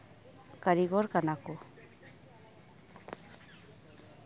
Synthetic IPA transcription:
kaɾiɣoɾkanako

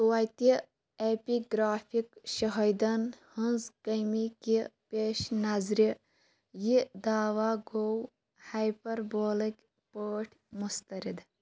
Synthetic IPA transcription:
twajt̪i | epiɡɾaːfʰikʃɐɦɐjd̪ɐnhənzkɐjmikipeːʃnɐzɾi | jid̪aːʋaːɡow | hajpɐɾboːlikʲ | pəːʈʰmust̪ɐɾid̪

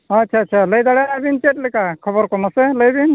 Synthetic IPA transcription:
ətːʃʰaːtːʃʰaləjd̪aɽjaabint͡ʃeʈlekakʰɔbɔɾkɔmaseləjbin

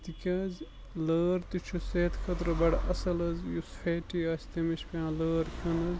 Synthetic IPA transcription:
t̪ikʲaːz | ləːɾt̪ɨt͡ʃʰuseːt̪kʰɐt̪ɾɨbɐɽɐsɐlɐzjusfeːʈiːɐːsʲt̪emiʃpʲãːləːɾkʲʰɐnɐz

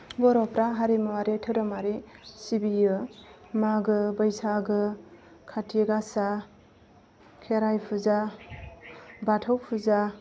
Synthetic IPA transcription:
ɡɔɾɔpɾaɦaɾimɯwaɾitʰɯɾɔmaɾisibijɯ | maɡɯbɯjsaɡɯ | kʰatʰiɡasa | kʰeɾajpʰuza | batʰɯwpʰuza

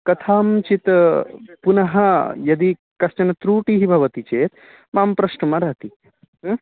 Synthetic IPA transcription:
kɐt̪ʰaːmt͡ʃit̪ | punɐɦɐjɐd̪i | kɐst͡ʃɐnɐt̪ɾuːʈiɦibʱɐʋɐt̪it͡ʃeːt̪ | maːmpɾɐʃnɐmɐɾaːt̪i

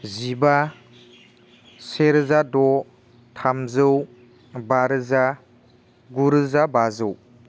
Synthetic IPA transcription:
ziba | seɾzadɔ | tʰamzɯw | baɾɯza | ɡuɾɯzabazɯw

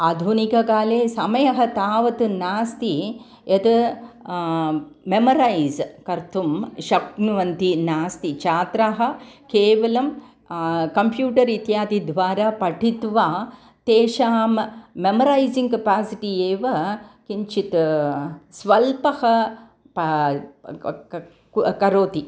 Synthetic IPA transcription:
aːd̪ʱunikɐkaːleːsɐmɐjɐɦɐt̪aːʋɐt̪ɨnaːst̪i | jɐt̪ɨ | memɐɾɐjzkɐɾt̪ʰumʃɐknuʋɐnt̪inaːst̪it͡ʃaːt̪ɾaːɦɐ̆keːʋɐlɐm | kɐmpjuːʈɐɾit̪jaːt̪id̪ʋaːɾaːpɐʈʰit̪ʋaː | t̪eːʃaːmːemɐɾɐjziŋɡkɐpaːsiʈieːʋɐkiɲt͡ʃit̪ | sʋɐlpɐhɐ | pɐ | kɐɾoːt̪i

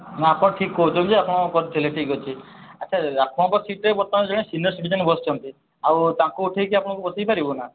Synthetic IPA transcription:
naapɔɽ̃ɔʈʰikkɔut͡ʃɔmd͡ʒeapɔɽ̃ɔ̃kɔɾt̪ʰileʈʰikɦɔt͡ʃʰiaːt͡ʃʰaakʰɔɽ̃ɔ̃kɔɾsiʈɾebɔɾt̪ɔnd͡ʒɔɽ̃ẽsinɔsiʈʰid͡ʒɔnebɔst͡ʃɔnt̪i | awt̪ãkuuʈʰajkiapɔɽ̃ɔ̃kubɔsijpaɾibɔna

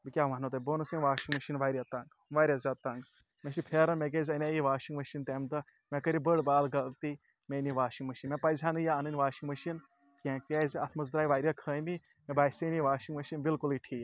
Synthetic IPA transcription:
bikʲaːʋanɐt̪ɐboːnɐsɐnʋaːʃiŋɡmɐʃinʋaːɾʲat̪ãːŋɡ | ʋaːɾʲjazʲaːt̪ãːŋɡ | mẽʃipʰeːɾɐnmʲeɡʲezʲɐnʲajiʋaːʃiŋɡmɐʃint̪emt̪ɐ | mẽkəɾibəɽbaːlɡɐlt̪i | mʲẽniʋaːʃiŋɡmɐʃiːnmẽpɐzʲɦanɨjaɐnɐnʲʋaːʃiŋɡmɐʃin | kʲɛ̃ːk̚t̪iaːzɐt̪ʰmɐzd̪ɾaːiʋaːɾʲjakʰəːjmi | mɛ̃baːjsiniʋaːʃiŋɡmɐʃinbilkuliʈʰiːk

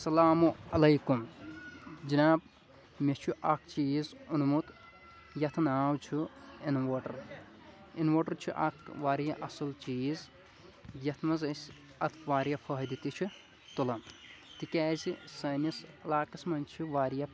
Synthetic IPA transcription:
sɐlaːmuɐlɐjkum | d͡ʒɐnaːb | met͡ʃʰuʔɐk̚ʰt͡ʃiːzunmut̪ | jɐt̪ʰnaːwt͡ʃʰuinʋoːʈɐɾ | inʋoːʈɐɾt͡ʃʰiʔɐ̰kʋaːɾjɐʔɐsɨlt͡ʃiːz | jɐt̪ʰmɐzɐsʲ | ɐt̪ʰʋaːɾjɐpʰɐɦd̪it̪it͡ʃʰu | t̪ulɐnt̪ikʲaːzisɐːnɐsɐlaːkɐsmɐnt͡ʃʰiʋaːɾjɐ

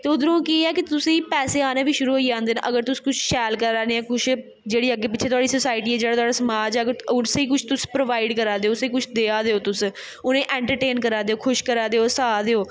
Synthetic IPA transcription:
t̪eːʊd̪ɾõːkiɛːkɪt̪ʊsẽːpɛːseːaːneːbiːʃʊɾuːɦoːiːd͡ʒãːnd̪eːn̰ːʔəɡəɾt̪ʊskʊt͡ʃʰʃɛːlkəɾaːneːɛːkʊt͡ʃʰ | d͡ʒeːɽiːəɡːeːpɪtːʃʰeːt̪ʊaːɽiːsəsaːɪʈiːɛːd͡ʒeːɽaːt̪ʊaːɽaːsəmaːd͡ʒəɡəɾʊnsĩːkʊt͡ʃʰt̪ʊspɾoːʋaːiɖkəɾaːd̪eoːsiːkʊt͡ʃʰd̪eːaːd̪eːoːt̪ʊs | ʊnẽːʔɛ̃ːɳʈəɾʈeːnkəɾaːd̪eoːkʰʊʃkəɾaːd̪eoːsaːd̪eːoː

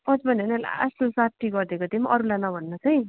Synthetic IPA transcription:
pʌsbʌnenala̰sʈusatʈːiɡʌrd̪ekot̪emʔʌɾulanʌbʱʌnːʌt͡sʌj̃

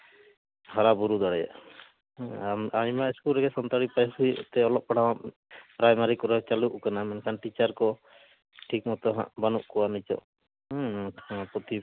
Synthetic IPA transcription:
haɾabuɾud̪aɽɛja̰ʔ | aimaʔiskulɾɛɡɛsɔnt̪aɽipajsiʔt̪ɛɔlɔp̚paɽawa | pɾajmaɾikɔɾɔt͡ʃaluʔkanamankʰanʈit͡ʃaɾkɔ | ʈʰik̚mɔt̪ɔɦa̰ʔbanuʔkɔwanit͡ʃɔ̰ʔ | pɔt̪i

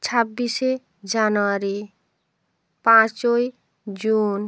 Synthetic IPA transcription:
t͡ɕʰabːiʃe | d͡ʑanoaɾi | pãt͡ɕoj | d͡ʑun

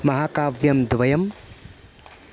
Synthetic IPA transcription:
mɐɦakabjɐmd̪ubɐjɐm

